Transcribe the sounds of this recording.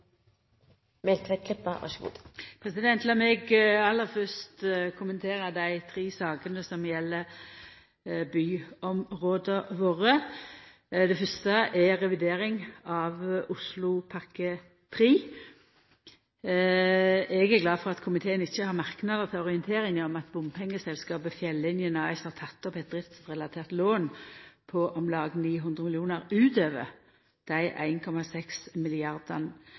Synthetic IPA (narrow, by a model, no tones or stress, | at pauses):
mɛlt̪ʰʋɛt̪̚kʰlɪpːɑ̰ʋɑ̰ʂɡṵːd̪̥pʰɾɛsɪd̪ɛnt̪lɑmɛɡɑlːəɾfœst̪kʰʊmənt̪ʰeːɾəd̪æɪt̪ʰɾiːsɑːɡənəsɔmjɛlːə | byːɔmʁoːd̪əʋoːʁə | d̪ɛfœst̪əʔɛɾɛʋɪd̪eːɾɪŋɑʋʊslʊpʰɑʁkə | t̪ʰɾiː | ɛɡæʁɡlɑːfɔʁɑt̪kʰʊmɪt̪ʰeːənɪçːəhɑʁmɑʁknɑd̪ət̪ʰɪlɔʁɪənt̪ʰeːɾɪŋɔmɑt̪bʊmpʰɛŋːəsɛlskɑːbəfjɛlːɪnjənɑɪshɑt̪ʰɑt̪ːɔpɛt̪̚d̪ʁɪft̪sʁɛlɑt̪ʰeːʁt̪loːnpʰɔʔɔmlɑːɡniːɦʉnd̪ʁəmɪlɪjuːnəʁʉːt̪øːʋə̰ | d̪̥æɪʔæ̰ɪnkʰɔmɑsɛksmɪlɪɑʁd̪ən